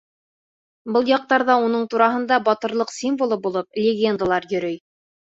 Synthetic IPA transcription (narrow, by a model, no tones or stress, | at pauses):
bɤlˠjɑq̚t̪ɑɾðɑunɤɴt̪uɾɑɦɤ̆nd̪ɑbɒt̪ɤ̆ɾlˠɤqsʲimvolˠɤbulˠɤp̚lʲɪɡʲend̪alˠɑɾjɵ̆ɾɵj